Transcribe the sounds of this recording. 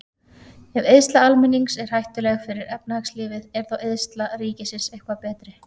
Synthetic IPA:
ɛveðst̪laalmɪnːiŋsɛɾ̥hajht̪ʏlɛɣfɪɾɪɾɛp̚nahakslɪːvɪðɛɾ̥θaweðst̪laɾiːcɪsɪnsejhkvapɛːt̪ɾɪ

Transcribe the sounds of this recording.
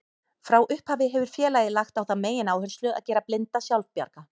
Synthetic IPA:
fɾawʔʏhphaːvɪɦɛvʏɾ̥fjɛːlajðɪlaxt̪awθaðmeːjɪnaːwhʏɾslʏɣa̰ðcɛːɾaplɪnt̪asjawlvpja̰ɾka

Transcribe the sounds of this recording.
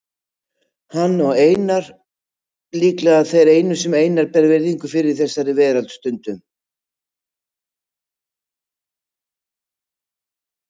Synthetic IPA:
hanːɔɣeːjnaɾ̥ | liːklaaðθejɾeːjnʏsɛmeːjnaɾpɛɾvɛɾðiŋkʏfɪɾɪɾ̥θɛsːaɾɪvɛːðɾalt̪st̪ʏnt̪ʏm

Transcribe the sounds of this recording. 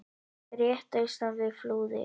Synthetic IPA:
ɾjɛːht̪œɥst̪avvɪðfluːðɪ̰

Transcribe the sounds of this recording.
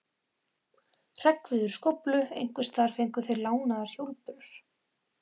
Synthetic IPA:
r̥ɛkvɪðʏɾ̥skowplʏejŋ̥kvʏst̪aɾ̥fejŋkʏθejɾlaːwnaðaɾ̥çowlpʏɾʏɾ̥

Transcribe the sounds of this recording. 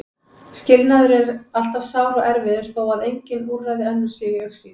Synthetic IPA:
scɪlnaðʏɾɛɾal̥t̪av̥saːwɾaʔɛɾvɪðʏɾ̥θaːwaðejɲcɪnuːrrajðɪɛnːʏsɪːɣɪœxsi

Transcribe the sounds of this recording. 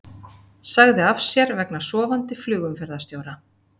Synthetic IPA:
saɣðɪafsjɛɾvɛknḁsɔːvant̪ɪflʏːɣʏmfɛɾðast̪joːwɾa

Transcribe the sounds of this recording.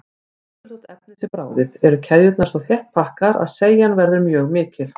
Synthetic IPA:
ɾɔt̪ɛp̚nɪt̪ʰɪlpɾaːwðɪðɛɾʏcʰɛðjʏt̪naɾ̥svɔθjɛht̪̚pʰahkaɾa̰ðseːjanvɛɾðʏmjœːɣmɪːcɪl̥

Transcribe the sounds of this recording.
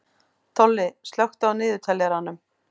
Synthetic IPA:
t̪ʰɔlːɪst̪lœwxt̪awnɪːðʏt̪ʰɛlːjɛɾanːʏm

